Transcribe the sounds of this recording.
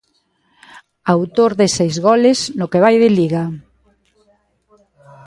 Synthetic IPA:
awt̪oɾðesejzɣɔlɪsnʊkeβ̞ajð̞ɪliɣa

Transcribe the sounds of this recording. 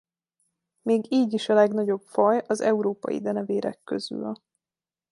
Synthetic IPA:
meːɡiːɟiʃɒlɛɡnɒɟo̞pfɒjɒzɛuɾoːpɒ̰jḭd̪ɛnɛveːɾɛ̰kːø̰zy̰l

